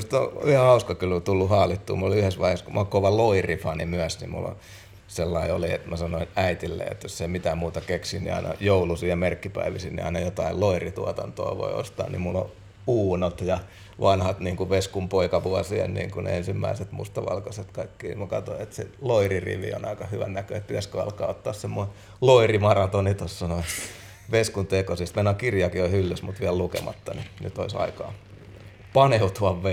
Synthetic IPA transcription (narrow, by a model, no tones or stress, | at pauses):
st̪o̰yhɑhɑuskɑkylt̪ulːuhɑːlit̪ːṵːmuloliyhesʋɑiheskumːkoʋɑloirifɑnimyæsnimmṵlːo̰ | selːɑioliet̪mæsɑnoinæit̪ilːḛːḛt̪josːeimit̪æːmmuːt̪ɑkeksinnḭɑ̰inɑ̰joulusiːjɑmerkːipæ̰iʋisinḭɑ̰inɑjot̪ɑilloirit̪uɑt̪ɑnt̪o̰ɑʋo̰io̰st̪ɑ̰ːnnḭmmulːõ̰ | uːnot̪jɑ | ʋɑnhɑt̪niːŋkuʋeskumpoikɑʋuɑsiḛnnḭːŋkunḛensimːæ̰iset̪mṵst̪ɑʋɑ̰lkoset̪kɑikːiːmukɑt̪oet̪sḛloirirḭʋḭo̰nɑikɑhyʋæ̰nnækøet̪̚pit̪æskøɑ̰lkɑːot̪ːɑːssemːoi | loirimɑrɑt̪onit̪ossɑnoet̪ | ʋeskunt̪ekosist̪menɑkirjɑkioihylːysmut̪ʋiællukḛmɑt̪ːɑninyt̪oisɑ̰ikɑ̰ː | pɑneut̪uɑʋʋe